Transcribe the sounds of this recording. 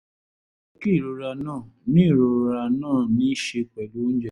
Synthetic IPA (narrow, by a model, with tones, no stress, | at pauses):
ki˦˨ɾo˧ɾa˧nãː˦˨nĩ˦˨ɾo˧ɾa˧nãː˦˨nĩ˨˦ʃe˧k͡pɛ˨do˦n̩˦d͡ʒɛ˦˨